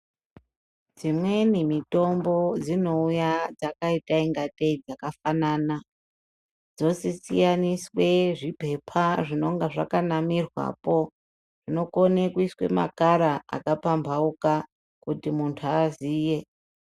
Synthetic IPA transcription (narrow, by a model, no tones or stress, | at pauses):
d͡zimwe̞nimito̞mbo̞d͡zino̞ujad͡zakaitaiŋɡateid͡zakafanaːna | d͡zo̞set͡sḭjaniswe̞ʐipe̞pʰaʐino̞ŋɡaʐa̰kanamirwa̰po̞ | ʐ̥ino̞ko̞nekuiswe̞̰ma̰kaɾaa̰kapambʱauka | kutimuntʰuaziːje̞